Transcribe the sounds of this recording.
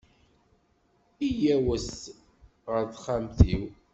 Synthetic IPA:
ijæwəs | ʁəɾðχamθiw

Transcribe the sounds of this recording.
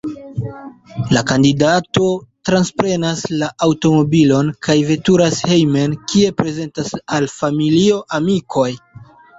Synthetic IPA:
lakandidato̞tɾanspɾe̞naslaʔawto̞mo̞bilo̞nkʰajve̞tuɾashe̞jme̞nkʰie̞pɾe̞ze̞ntasalfamilio̞ʔamikʰo̞j

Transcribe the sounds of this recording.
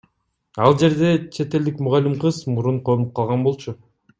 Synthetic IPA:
ɑlˠd͡ʒe̞ɾd̪e̞t͡ʃʰe̞t̪e̞ld̪ikmuʁalʲːimqɯzmuɾuɴqʰonup̚qʰɑlˠʁɑnbo̞lˠt͡ʃʰu

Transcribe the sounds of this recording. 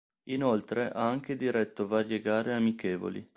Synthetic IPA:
inolt̪ɾeʔaaŋk̟ed̪iɾɛt̪ːovaɾjeɡaːɾeamikeːvo̰lḭ

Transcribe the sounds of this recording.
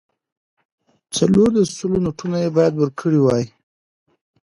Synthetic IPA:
t͡saloɾd̪əssulonuʈunajebɑjad̪wəɾkʰəɽiwɑji

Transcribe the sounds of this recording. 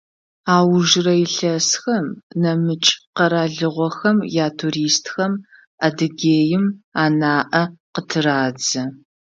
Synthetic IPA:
aːwʒrɐjɪɬɐsxɐmnɐmɨt͡ʃʼqɐɾaːɮɨʁʷɔxɐmjaːtʰuɾiːstʰxɐm | adɨɡeːjɪmaːnaːʔɐqətʰɨraːd͡zɐ

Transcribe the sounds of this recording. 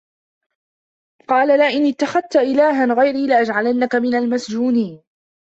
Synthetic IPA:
qɑːlalaːʔɪnɪt̪ːaxað̚t̪aʔɪlaːɦanɣajɾiːlɪʔad͡ʒʕalanːakamɪnalmasd͡ʒuːniːn

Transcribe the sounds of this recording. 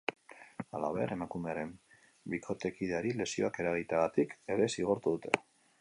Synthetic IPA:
ala̰βe̞ɾe̞makume̞aɾe̞m | bikʰo̞t̪e̞kiðeaɾile̞sio̞ake̞ɾaɣ̞it̪aɣat̪ike̞ɾe̞siɣ̞o̞ɾt̪uðut̪ʰe̞̰

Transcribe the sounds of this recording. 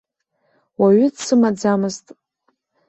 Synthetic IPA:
waɥʏdsɨmad͡zamɨztʼ

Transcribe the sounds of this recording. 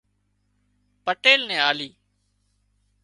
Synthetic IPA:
pəʈeːlnɛ̃ːaːliː

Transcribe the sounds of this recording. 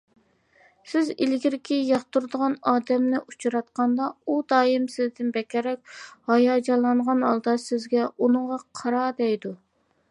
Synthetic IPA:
sɪzilɡʲiɾɪkʲijɑχt̪uɾd̪əʁɑnɑːd̪ɛmnɪʔut͡ʃʰɾɑt̪qɑnd̪ɑud̪ɑːjimsɪzd̪ɪnbɛkʲɛɾɛk̚ʲhɑjɑːd͡ʒɑlˠːɑɴʁɑnɑlˠd̪ɑsɪzɡʲɛunɨʁɑqʰɑɾɑd̪ɛjd̪u

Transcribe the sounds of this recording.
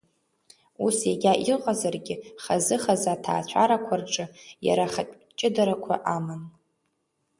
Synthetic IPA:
usjaɡʲaʔiqʼazarɡʲɪχazɨχazatʰa̰ːt͡ɕʷʰaɾakʷʰarʈ͡ʂʼɨja̰ɾaχapʲʼ | t͡ʃʼɪdaɾakʷʰa̰ʔaman

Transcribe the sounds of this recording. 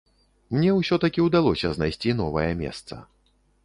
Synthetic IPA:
mnʲɛwsʲɔt̪ɐkʲiwd̪alˠɔsʲɐznajsʲt͡sʲinɔvɐjɐmʲɛ̰st̪sɐ̰

